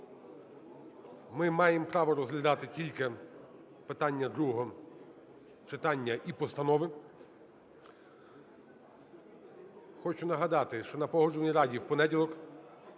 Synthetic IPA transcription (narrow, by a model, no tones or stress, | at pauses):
mɪmɑjempɾɑʋɔɾɔzɦlʲɐd̪ɑt̪ɪtʲilʲke | pɪt̪ɑnʲːɐd̪ɾuɦɔɦɔ | t͡ʃɪt̪ɑnʲːɐʔipɔst̪ɐnɔʋɪ | xɔt͡ʃʊn̪ɐɦɐd̪ɑt̪ɪʃt͡ʃɔnɐpɔɦɔd͡ʒʊʋnʲiɾɑdʲiwpɔnɛdʲilˠɔk